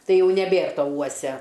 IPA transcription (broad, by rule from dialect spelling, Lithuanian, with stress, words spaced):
ˈtɐɪ ˈjɛʊ nʲɛˈbʲeːr ˈtoː ˈuɔsʲɛ